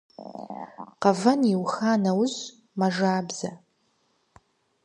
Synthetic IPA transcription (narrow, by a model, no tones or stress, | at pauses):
qɐvɐniwxaːnɐwz | mɐʐaːbz̥ɐ